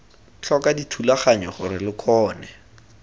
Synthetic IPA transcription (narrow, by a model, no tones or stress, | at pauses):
t͡ɬʰɔkaditʰulaχaɲɔχʊɾɪlɪkʰɔːnɛ